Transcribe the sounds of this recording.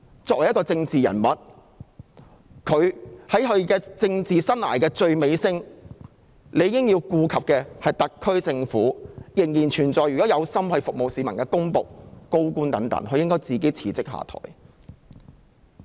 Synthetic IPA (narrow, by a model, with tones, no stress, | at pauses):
t͡sɔː˧k̚wɐ˨˩jkɔ˧t͡sɪ˧ŋt͡siː˨jɐ̰˨˩nmɐ˨t̚ | kʰɵ˨˧ɥhɐ˨˥jɦɵ˨˧ɥkɛː˧t͡sɪ˧ŋt͡siː˨sɐ˥nlaː˨˩jkɛː˧t͡ʃɵ˧ɥme˨˧jsɪ˥ŋ | le˨˧ji˧kɪ˥ŋjiː˧wkuː˧kʰɐ˨p̚kɛː˧hɐ˨jt̪ɐ˨kkʰːɵ˥ɥt͡sɪ˧ŋfuː˨˥jɪ˨˩ŋjiː˨˩nt͡ʃʰyː˨˩nt͡sɔː˨jɥy˨kɔ˨˥jɐ˨˧wsɐ˥mhɐ˨˧jfʊ˨k̚mo˨wsiː˨˧mɐ˨˩nkɛː˧kʊ˥ŋpo̰˨k̚ko˥wkuː˥nt̪ɐ˨˥ŋt̪ɐ̰˨˥ŋɦɵ˨˧ɥjɪ˥ŋkɔː˥jt͡siː˨ke˨˥jt͡sʰiː˨˩t͡sɪ˥k̚ɦa̰ː˨t̪ʰɔ̰ː˨˩j